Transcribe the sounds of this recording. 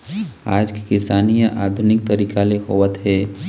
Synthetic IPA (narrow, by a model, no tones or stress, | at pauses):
a̰ːd͡ʒki̥kɪsaːnijəʔaːd̪ʱʊnɪk̚t̪əɾiːkaleɦoːʋət̪ɦɛː